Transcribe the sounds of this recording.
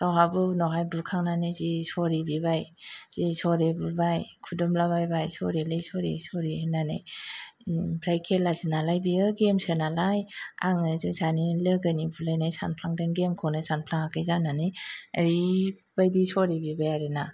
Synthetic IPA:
tawɦabɯnɔɦajbukʰaŋnanɯjzisɔɾibibajz̥isɔɾebɯbajkʰudɔmlaβajbajsɔɾilɯjsɔɾḭsɔɾiɯnana̰j | bʰɾajkʰelazinalajbiɯɡemsɯnalaja̰ŋɯzɯsanilɯɡɯnibulajnajsa̰npʰlaŋdɯŋɡemkʰɔnɯsanpʰlaŋakʰɯjzananiəɾi | b̥ajdisɔɾibibajaɾɯna

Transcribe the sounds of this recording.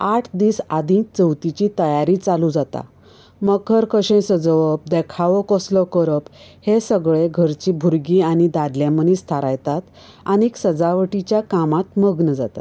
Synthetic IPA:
aʈʰd̪iːsad̪ĩkt͡səwt̪it͡ɕit̪əjaɾiːt͡salud͡zat̪a̰ | məkʰəɾkəɕẽsəd͡zəʋəp̚d̪ekʰaʋɔkɔslɔkəɾəphesəɡɭeɡʱəɾt͡ɕibʱuɾɡiañid̪ad̪ljãmənist̪ʰaɾajt̪at̪ | añiksəd͡zaʋʈit͡ɕjakamat̪məɡnəd͡za̰t̪a̰t̪

